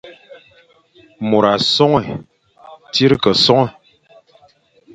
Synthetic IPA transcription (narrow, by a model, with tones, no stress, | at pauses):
mo˨ɾa˨sɔ˦ŋɛ˨ | ti˦ɾkə˨sɔ˦ŋɛ˨